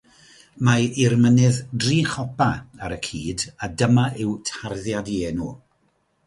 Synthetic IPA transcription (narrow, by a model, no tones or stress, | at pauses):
mairmənɨðdriːχɔpʰaaɾəkʰiːdadəmaʔɪwtʰarðjadieːnuː